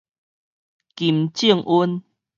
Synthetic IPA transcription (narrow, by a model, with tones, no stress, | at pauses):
ki˨˩mt͡ɕi˦˥˧ə˨ŋʔu˦n